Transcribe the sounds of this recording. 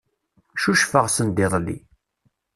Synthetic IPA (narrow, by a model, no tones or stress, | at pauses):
ʃuʃfəʁsənd̪ɪðˤlːḭ